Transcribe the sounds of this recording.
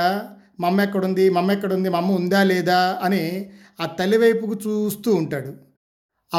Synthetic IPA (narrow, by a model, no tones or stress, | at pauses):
a | mɐmːɐɛkːɐɽund̪imɐmːɐɛkːɐɽund̪imɐmːɐund̪aːlɛːd̪aːɐni | aːt̪ɐliʋɐjpukut͡ʃuːst̪uːuɳʈaːɽu | ɐ